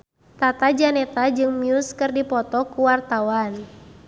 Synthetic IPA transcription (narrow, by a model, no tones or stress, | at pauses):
t̪at̪ad͡ʒanɛt̪ad͡ʒɨŋmiuskɨrdipɔt̪ɔkuwart̪awan